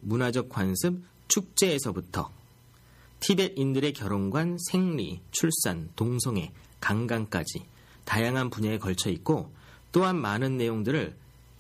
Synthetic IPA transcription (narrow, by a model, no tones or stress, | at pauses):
munad͡ʑʌk̚k͈wansʰɯm̚ | t͡ɕʰuk̚t͡ɕ͈e̞ːsʰʌbutʰʌ̰ | tʰibe̞dindɯɾe̞kjʌɾonɡwansʰe̞ŋɾit͡ɕʰuɭs͈antoŋsʰʌŋe̞ | kaŋɡaŋk͈a̰d͡ʑi | tajaŋɦanpuɲeekʌɭt͡ɕʰʌik̚k͈o | t͈oɦanmanɯnːe̞joŋdɯɾɯɭ